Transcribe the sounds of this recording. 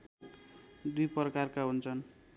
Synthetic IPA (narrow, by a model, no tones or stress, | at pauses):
d̪ujpʌrʌkarkaɦunt͡sʰʌn